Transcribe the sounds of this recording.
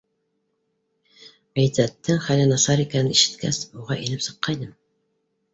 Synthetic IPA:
æjt̪æt̪ːɘŋχælɘnɑsɑɾikænɘniʃɘ̥̆t̪kæ̰suʁɑʔilɘpsɤ̥̆qːɑjnɤm

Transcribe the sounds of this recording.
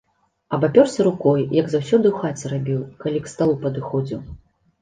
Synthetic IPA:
ɐbapʲɔrsʲɐɾukɔjjɐɡzawsʲɔd̪ɨwxat͡sʲɛɾabʲiwkalʲikst̪alˠupɐd̪ɨxɔd͡zʲiw

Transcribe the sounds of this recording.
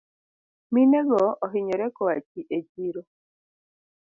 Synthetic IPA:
minɛɡɔːɦɪɲɔɾɛkɔwat͡ʃiʔed͡ʒiɾo

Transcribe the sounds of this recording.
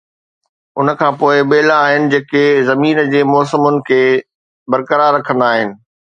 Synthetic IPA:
ʊ̰nə̆kʰãːpoːɪɓeːlaːɦɪnɪ̆d͡ʑeːkezɐmiːnd͡ʑeːmɔːsəmʊnɪ̆kʰeː | bɐɾkəɾaɾːɐkʰə̃nd̪aːɦɪnɪ̆

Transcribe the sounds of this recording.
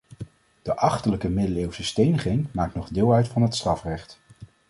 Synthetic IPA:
d̥əʔɑχtələkəmɪdəleːwsəstejnəχɪŋmaːk̚tnɔχdɪːlˠœɥtfɑnɦətstrɑfrɛχt

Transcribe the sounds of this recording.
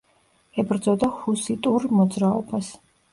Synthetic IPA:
ɛbɾd̪zɔd̪ahusit̪ʼuɾmɔd̪zɾaɔbas

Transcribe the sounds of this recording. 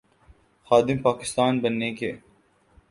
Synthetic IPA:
xaːd̪ɪmpaːkɪst̪aːnbɐnːeke

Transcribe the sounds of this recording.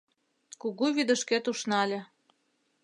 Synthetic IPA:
kuɣuβid̪ə̆ʃket̪uʃnɑlʲĕ

